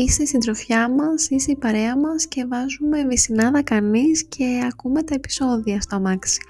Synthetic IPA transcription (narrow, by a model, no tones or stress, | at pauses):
isest̪id̪ɾo̞fçɐmɐsiseipɐɾe̞ɐmɐsce̞vɐzume̞visinɐðɐkɐniscʰe̞ɐkume̞t̪ɐepi̥so̞ðiɐst̪omɐksi̥